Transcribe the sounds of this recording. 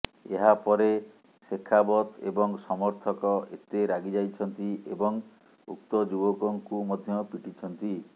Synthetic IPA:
eɦapɔɾe | sekʰːabɔt̪ḛbɔŋsɔmɔɾt̪ʰɔkɔet̪eɾaɡid͡ʒajt͡ʃʰɔnt̪iebɔŋ | ṵk̚t̪ɔd͡ʒubɔkɔŋkumɔd̪ʱjɔpiʈʰit͡ʃʰɔnt̪i

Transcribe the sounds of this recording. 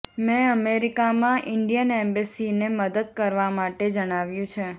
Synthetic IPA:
mɛ̃əmeɾikamãʔɪɳɖijənɛmbisineməd̪əd̪̚kəɾʋamaʈed͡ʒəɽ̃aʋjũt͡ʃʰe

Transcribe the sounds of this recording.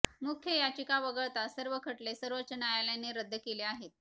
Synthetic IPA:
mukʰjəjat͡ɕikaʋəɡəɭt̪asəɾʋəkʰəʈlesəɾʋət͡ɕənajaljaneɾəd̪ʱːəkeleaɦet̪̚

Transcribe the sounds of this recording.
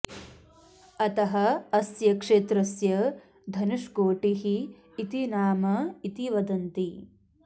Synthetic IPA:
ɐt̪ɐɦɐːsjɐkʂeːt̪ɾɐsjɐ | d̪ʱɐnuʂkoːʈiɦiː | t̪inaːmɐit̪iʋɐd̪ɐnt̪i

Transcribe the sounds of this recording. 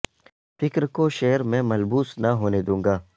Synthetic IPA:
fɪkɾkoʃeːəɾmɛ̃ːmɐlbuːsnɐɦoːned̪ũːŋɡaː

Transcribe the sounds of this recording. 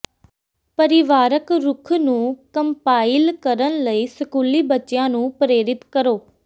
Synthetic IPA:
pəɾɪʋaːɾəkɾʊkʰnũːkəmpaːɪlkəɾənləiːsəkuːliːbətːʃjãːnũːpɾeːɾɪt̪kəɾoː

